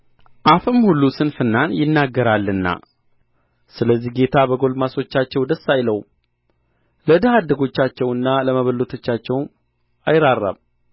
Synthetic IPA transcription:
ʔafɨmhulːusɨnfɨnːanjɪnːaɡːəɾalːɨnːa̰ | sɨləzːihɡe̞t̪ʰabəɡo̞lmaso̞t͡ʃːat͡ʃːɛwd̪əsːajləw | ləd̪əhad̪ːəɡo̞t͡ʃːat͡ʃːɛwɨnːaləməβəlːot̪ʰo̞t͡ʃːat͡ʃːɛw | ajɾarːa̰β

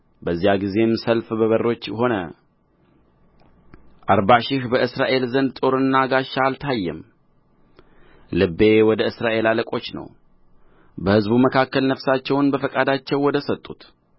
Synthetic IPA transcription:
bəzːijaɡize̞msəlfbəβəro̞t͡ʃːho̞nə | ʔaɾbaʃɪhbəʔɨsɾaʔe̞lzənd̪t̪ʼo̞ɾɨnːaɡaʃːaːlt̪ʰajːɛ̰m | lɨbːe̞wɔd̪əɨsɾaʔe̞laləkʼo̞t͡ʃːnə̰w | bəhɨzbuməkʰakːəlnəfsat͡ʃːɛwnbəfəkʼad̪at͡ʃːɛwːɔd̪əsət̪ʼːut̪

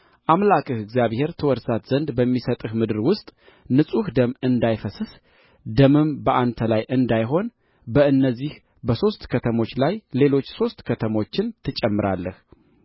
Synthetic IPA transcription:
ʔamlakʼɨhɨɡzjaβhe̞ɾt̪ʰəwɔɾsat̪z̥ənd̪bəmːisət̪ʼɨhmɨd̪ɨɾwʊst̪ʼ | nɨsʼuhd̪əmɨnd̪ajfəsɨs | d̪əmɨmbəʔant̪ʰəlajʔɨnd̪ajɦo̞n | bəɨnːəzːih | bəso̞st̪kʰət̪ʰəmo̞t͡ʃːlajle̞lo̞t͡ʃːso̞st̪kʰət̪ʰəmo̞t͡ʃːɪnt̪ʰɨt͡ʃʼɛmːɨɾalːəh

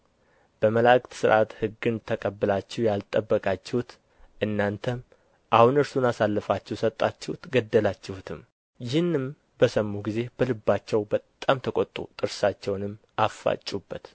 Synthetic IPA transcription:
b̥əməlakʼt̪sɨɾʔat̪hɨɡːɨnt̪ʰəkʼəbːɨlat͡ʃːɛwjalt̪ʼːəbːəkʼat͡ʃːɛhut̪ | ʔɨnːant̪ʰəm | ʔahunɨɾsunasalːəfat͡ʃːɛwsət̪ʼːat͡ʃːɪhut̪ɡəd̪ːəlat͡ʃːɪhut̪ʰɨm | jɪhɨnːɨm | bəsəmːuɡize̞bəlɨbːat͡ʃːɛwbət̪ʼːamt̪ʰəkʼot̪ʼṵt̪ʼɨɾsat͡ʃːɛwnɨmː | ʔafːa̰t͡ʃʼːubːət̪

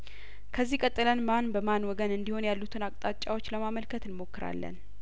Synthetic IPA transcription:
kʰəzːihkʼət̪ʼːɨlənmanbəmanwɔɡənɨnd̪iho̞njalːut̪ʰɨnakʼt̪ʼat͡ʃʼːawo̞t͡ʃːləmaməlkʰət̪ɨnmo̞kːɨɾa̰lːə̰n

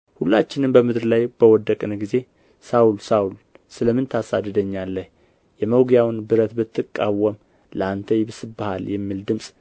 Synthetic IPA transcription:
hulːat͡ʃːɪnɨnbəmɨd̪ɾlajbəwɔd̪ːəkʼnɡize̞ | sawulsawul | sɨləmɨnt̪ʰasa̰d̪ːəd̪əɲːalːəh | jɛməwɡjawnbɨɾət̪bɨt̪ːɨkʼːawːəm | ləant̪ʰəjbɨsɨbahaljɛmːild̪ɨmsʼ

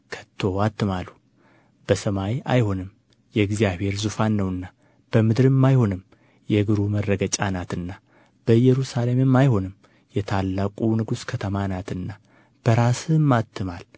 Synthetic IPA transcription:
kʰə̥t̪ʰːo̞wat̪ːɨmalu | b̥əsəmaja̰jho̞nɨm | jɛɨɡzijaβhe̞ɾzufanːəwɨnːa | b̥əmɨd̪ɨɾɨmːajho̞nɨm | jɛɡɨɾumərːəɡət͡ʃʼanat̪ɨnːa | b̥əjɛɾusale̞mɨmːajho̞nɨm | jɛt̪ʰalːakʼunɨɡuskʰət̪ʰəmanat̪ɨnːa | b̥əɾasɨmːat̪ʰːɨmal

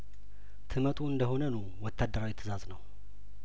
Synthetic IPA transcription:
t̪ʰɨmət̪ʼuɨnd̪əho̞nənu | wɔt̪ʰːad̪ːəɾawit̪ʰːɨzaznəw

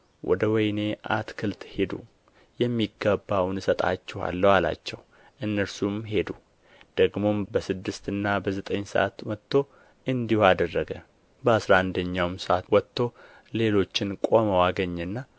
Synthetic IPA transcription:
wʔɔ̰d̪əwɔjne̞ʔa̰t̪kʰɨlt̪he̞d̪ṵ | jɛmːiɡːəbːawnɨsət̪ʼa̰t͡ʃːɛha̰lːəwala̰t͡ʃːɛw | ʔɨnːəɾsumɦe̞d̪u | d̪̥əɡmo̞bəsɨd̪ːɨst̪ɨnːabəzət̪ʼəɲːsə̰ʔa̰t̪mət̪ːo̞ | ʔɨnd̪ihad̪ərːəɡə | bəasɾaand̪əɲːawmsəʔat̪wɔt̪ʰːo̞ | le̞lo̞t͡ʃːɪnkʼo̞məwaɡəɲːɛnːa

